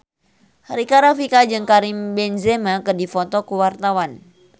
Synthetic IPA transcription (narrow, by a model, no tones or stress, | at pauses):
haɾikaɾafikad͡ʒɨŋkaɾimbɛnzɛmakɨrdifɔt̪ɔkuwart̪awan